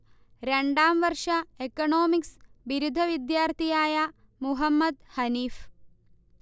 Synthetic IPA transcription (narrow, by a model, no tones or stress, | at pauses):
ɾeɳɖaːmʋɐɾʂɐekɐɳoːmiksʋiɾud̪ʱɐʋid̪jaːɾt̪ʰijaːja | muɦɐmːɐd̪hɐniːf